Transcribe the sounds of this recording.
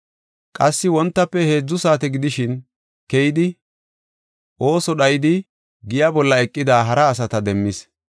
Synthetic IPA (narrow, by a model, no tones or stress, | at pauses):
kʼɐsːɪwɔnt̪ːɐpːɛhe̞ːd͡zːʊsaːt̪ɛɡɪd̪ɪʃɪn | kɛjɪd̪ɪ | ʔo̞ːsɔɗɐjɪd̪ɪ | ɡɪjabɔlːɐɛkʼːɪd̪aːɦɐɾɐːs̬ɐt̪ɐd̪ɛmːɪs